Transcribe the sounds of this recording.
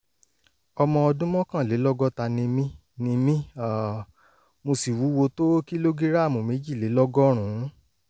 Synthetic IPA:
ɔ˧mɔ̃˧ɔ˧dũ˦mɔ̃˦kã˦˨le˨˦lɔ˦ɡɔ˦ta˧nĩ˧mĩ˦ | nĩ˧mĩ˦a˨ | mo˧si˨wu˨˦wo˧to˦ki˦lo˦ɡi˦ɾa˦˨mũ˨me˨˦d͡ʒi˦˨le˨˦lɔ˦ɡɔ˦ɾ̃ũ˨˦

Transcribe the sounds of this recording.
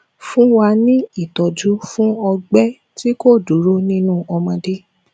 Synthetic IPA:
fũ˦wa˧nĩ˦i˦˨tɔ˨d͡ʒu˨˦fũ˦ɔ˧ɡ͡bɛ˦ | ti˦ko˦˨du˨˦ɾo˦nĩ˦nũ˦˨ɔ˧mɔ̃˧de˦

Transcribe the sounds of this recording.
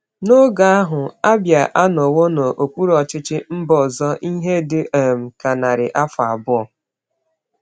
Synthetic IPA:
no˦ɡa˨a˦ɦʊ˨a˦bja˨ʔa˦no˨wo˦no˨ʔo˨kʷu˦ɾɔ˨t͡ʃɪ˦t͡ʃɪ˦m̩˦bɔ˨zɔ˦ʔi˦ɦe˦dɪ˦ʔe˨m̩˨ka˨na˨ɾɪ̰˨ʔa˦fa˨bʊ˦ɔ˨

